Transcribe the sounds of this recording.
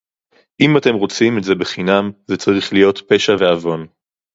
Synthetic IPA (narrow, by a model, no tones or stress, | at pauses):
ʔimate̞mʁo̞t͡simetze̞be̞χinamzet͡saʁiχlijo̞t̪pe̞ʃave̞avo̞n